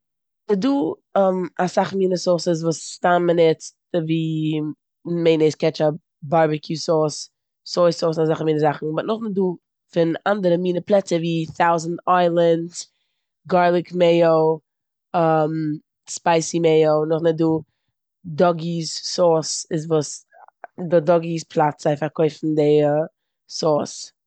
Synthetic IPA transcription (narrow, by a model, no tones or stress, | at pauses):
nɪduː | masaχmiːnəsɔːsɪs̬vuːstanmənɛt͡s | viː | meɪneskɛt͡ʃa | baɾbɪkʰjusɔs | sɔɪsɔːsnazaχmiːnəzaχn̩mɔnʊχnɪt̚duː | fɪnandəɾəmiːnəplˠɛt͡səviːθaʊzn̩taɪlˠənt | ɡaɹlˠɪkmeɪoʊ | am | spaɪsimeɪoʊnʊχnɪt̚duː | dɔɡissɔsɪzvus | dɪdɔɡispʰlˠatsaɪfakʰɔɪfn̩dɪ | sɔs